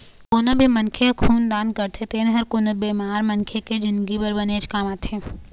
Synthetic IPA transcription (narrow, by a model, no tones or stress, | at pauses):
koːnobʱimɐnkʰekʰuːnd̪ãːnd̪̚kɐɾt̪ʰet̪enẽɦɐɾkoːnobeːmaːɾmɐnkʰeked͡ʒɪ̃nd̪ɡibɐɾbɐneːd͡ʒkaːmat̪ʰẽː